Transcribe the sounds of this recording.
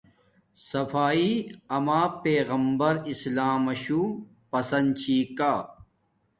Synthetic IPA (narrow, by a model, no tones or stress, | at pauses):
sɐfaːiɐmaːpeːɣɐmbɐɾislaːmɐɕuː | pɐsɐnd̪t͡ɕʰiːkaː